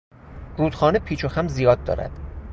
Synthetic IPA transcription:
ɾuːd̪̥xɒːnepʰiːt͡ʃʰoxæmzijɒːd̪̚ːɒ̰ːɾæ̰d̪̥

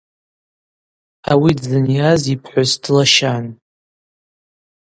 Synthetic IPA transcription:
awidzɨnjazipʰħʷazdʰlaʃan

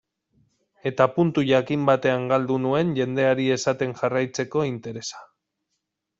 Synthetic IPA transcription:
e̞t̪apunt̪uʝakimbat̪e̞aŋɡald̪unue̞nʝe̞nd̪e̞aɾie̞sat̪e̞ŋʝarajt͡se̞ko̞int̪e̞ɾe̞sḁ

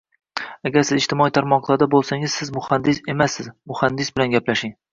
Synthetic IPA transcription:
aɡʲaɾsɪzɪʃt̪ɪmɒit̪ʰaɾmɒqlˠaɾd̪abolˠsaŋɪzsɪzmʊhand̪ɪse̞masːɪzmʊhand̪ɪsbɪlanɡʲaplaʃɪŋ

